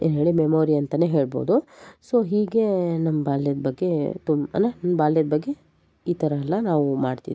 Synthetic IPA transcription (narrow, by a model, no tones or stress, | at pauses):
ḛːnɦe̞ːɭimemoːɾiɐnt̪ɐne̞ːɦe̞ːɭbo̰ːd̪usoːɦiːɡe̞nɐmːɐbaːljɐd̪bɐɡːe̞t̪umɐ̰nɐnɐmɐbaːljɐd̪ɐbɐɡːe̞ | iːt̪ʰɐɾɐɛlːɐnaːʋumaːɖt̪ḭʋ